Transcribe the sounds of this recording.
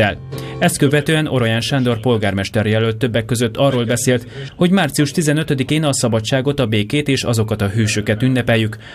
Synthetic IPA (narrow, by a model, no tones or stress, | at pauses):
ɛlɛst̪kø̞vɛt̪øːɛnʔo̞ɾojaːnʃand̪o̞rpo̞lɡaːrmɛʃt̪ɛɾjɛløt̪ːø̞bːɛkːø̞zøt̪ːɒrːoːlbɛseːlt̪ho̞ɟmaːrt̪sijuʃt̪izɛnø̞t̪ød̪ikeːnɒsɒbɒt͡ʃːaːɡo̞t̪ɒbeːkeːt̪eːʃɒ̰zo̞kɒt̪ɒɦøːʃøkɛt̪ynːɛpɛjːyk